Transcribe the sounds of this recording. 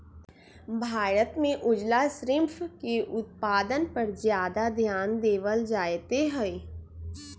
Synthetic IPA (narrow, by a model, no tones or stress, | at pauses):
bʱaːɾət̪mẽʔʊd͡ʒlasɾɪmpʰkeʔʊt̪̚paːd̪ənpɐɾzjaːd̪ad̪ʱjaːnd̪eːʋəld͡ʒaːjt̪eɦɛe